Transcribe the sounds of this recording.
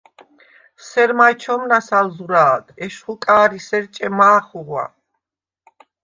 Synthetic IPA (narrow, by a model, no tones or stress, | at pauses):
sɛɾmajt͡ʃʰɔmnasalzuɾaːd̪ʰɛʃχukʼaːɾisɛɾt͡ʃʼɛmaːχuʁwa̰